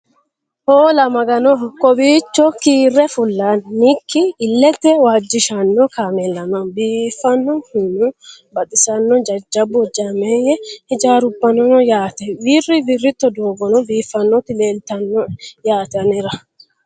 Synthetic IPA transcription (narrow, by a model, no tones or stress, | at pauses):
hoːlɐmɐɡɐnɔkɔbiːt͡ʃːɔkiːrːɛfʊlːanːikːɪːlːɛt̪ːɛwaːd͡ʒːɪʃɐnːɔkaːmɛlːɐnɐnbiːfːɐnːɔhɪnʊbɐt̪ʼɪsɐnːɔd͡ʒɐd͡ʒɐbːɔd͡ʒamejɛhɪd͡ʒaːɾʊbːɐnɔnɔjaːt̪ɛwiːrɪbɪrːɪt̪ːɔd̪oːɡɔnɔbiːfːɐnːɔt̪ːɪle̞ːlt̪ɐnːɔjaːt̪ɐnɛɾɐ